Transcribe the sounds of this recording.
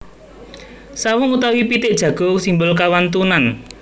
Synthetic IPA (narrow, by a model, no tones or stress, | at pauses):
sawʊŋut̪awipit̪ɪʔd̥ʒ̥ä̤ɡ̥o̤simbʊlkawant̪unan